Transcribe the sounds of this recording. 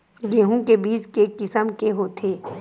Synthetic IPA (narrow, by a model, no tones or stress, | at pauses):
jeːɦũkebiːd͡ʒkekɪsəmkeɦoːt̪ʰeː